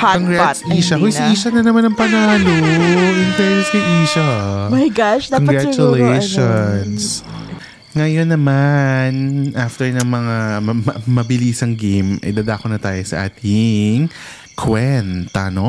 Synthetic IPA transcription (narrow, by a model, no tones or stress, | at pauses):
koŋɡɾɹasʔiːʃɐkojsiʔiːʃɐnɐnɐmanɐŋpɐnaːloʔɪnt̪ɛɹɪskɐjʔiːʃɐmajɡaʃoŋɡɹat͡ʃʊlejʃons | ŋɐjonːɐmanʔaft̪ɛɹnɐŋmɐŋamɐɐmɐbɪliːsɐŋɡejmɐ̰jd̪ɐd̪aːkonɐt̪aːjosɐ̰ʔa̰ːt̪ʰɪŋ | kʰwɛnt̪ɐ̰no̞